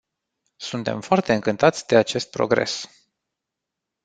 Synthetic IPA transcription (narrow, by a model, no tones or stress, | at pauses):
sunt̪e̞̰mfoart̪e̞ɨŋkɨnt̪at̪sʲd̪e̞at͡ʃe̞st̪̚pɾo̞̰ɡɾe̞̰s